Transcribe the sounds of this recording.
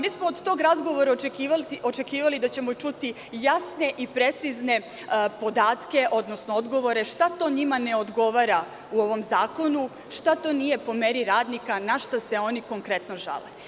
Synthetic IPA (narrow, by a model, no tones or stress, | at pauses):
miːsmood̪t̪o̞ɡɾazɡo̞ʋo̞ɾaekiʋalo̞t͡ʃekiːʋalid̪at͡ɕe̞mo̞t͡ʃut̪i | jasne̞ʔipɾe̞t̪sizne̞ | po̞d̪aːt̪ke̞ʔo̞d̪no̞snood̪ɡo̞ʋo̞ɾe̞ʃt̪at̪oɲimane̞o̞d̪ɡo̞ʋaɾa | uo̞ʋo̞mzaːko̞nu | ʃt̪at̪o̞nije̞po̞meɾiɾaːd̪nikanaʃt̪ase̞o̞niko̞ŋkɾe̞t̪no̞ʒa̰le